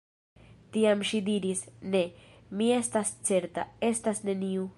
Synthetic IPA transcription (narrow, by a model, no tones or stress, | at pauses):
t̪iamʃid̪iɾisnemiest̪ast͡seɾt̪a̰est̪asneniu